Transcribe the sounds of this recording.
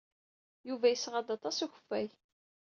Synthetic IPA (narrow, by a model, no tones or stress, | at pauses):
juvæjəsʁɑd̪ɑt̪ˤɑsuçə̥fːæj